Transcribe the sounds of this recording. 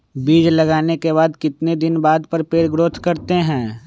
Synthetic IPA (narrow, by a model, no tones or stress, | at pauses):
biːd͡ʒlɐɡaːnekeβaːd̪kɪt̪ned̪ɪnbaːd̪pəɾpeːɾɡɾoːt̪ʰkɐɾt̪eɦɛ̃ː